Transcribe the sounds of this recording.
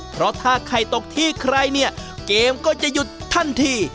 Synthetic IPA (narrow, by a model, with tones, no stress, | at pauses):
pʰɾɔ˦˥t̪ʰaː˥˩kʰɾa˧˩jt̪o˨˩k̚t̪ʰiː˥˩kʰɾa˧jni˥˩ɐkeː˧mkɔː˥˩t͡ɕa˨˩ju˧t̪ʰːa˥˩nt̪ʰiː˧˩